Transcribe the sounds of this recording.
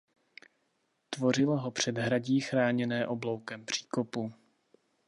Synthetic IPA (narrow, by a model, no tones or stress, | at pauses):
t̪vo̞rɪlɦo̞pr̝̥ɛd̪ɦɾaɟiːxɾaːɲɛnɛːʔo̞blo̞wkɛmpr̝̥iːko̞pu